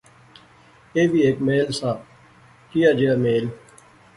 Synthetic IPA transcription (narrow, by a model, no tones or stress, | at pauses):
eːbiːeːkmeːlsaː | kijaːd͡ʒeaːmeːl